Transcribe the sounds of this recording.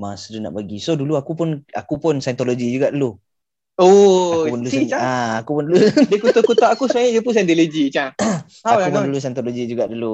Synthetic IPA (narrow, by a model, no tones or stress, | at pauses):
masuduna̰ʔbəɡisoduluakupʊnakupʊnsant̪oloɡid͡ʒuɡaʔdulu | oapʊnduluaaːkupʊnduludəkut̪ɔkut̪ɔʔakusmajajupʊns̬ant̪olod͡ʒit͡ʃa | aakwaupʊndulus̬ajnt̪oloɡid͡ʒuɡaʔdulu